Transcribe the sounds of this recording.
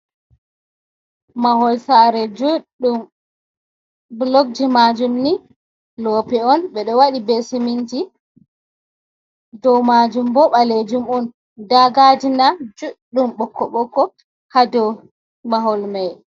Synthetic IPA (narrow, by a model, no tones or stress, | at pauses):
mahɔlsaɾɛd͡ʒu | um | blɔɡ̚d͡ʒimad͡ʒumni | lɔːpɛɔnɓɛɗɔwaɗibesimind͡ʒi | dɔwmad͡ʒumbɔɓaled͡ʒumɔn | daɡad͡ʒinad͡ʒuɗːumɓɔkʰːɔɓɔkːɔ | hadɔ | maɦɔlmaj